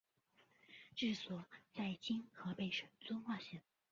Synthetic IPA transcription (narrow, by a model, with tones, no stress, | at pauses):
ʈ͡ʂɻ̩˥˩swɔ˨˩˦t͡sa˥˩ɪt͡ɕi˥nxɤ˧˥pe˥˩ɪʂə˨˩nt͡swʊ˥nxwa˥˩ɕɛ˥˩